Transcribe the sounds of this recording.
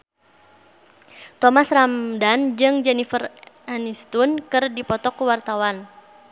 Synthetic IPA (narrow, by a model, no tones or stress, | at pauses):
t̪ɔmasramdand͡ʒɨŋd͡ʒɛnifəranist̪unkɨrdipɔt̪ɔkuwart̪awan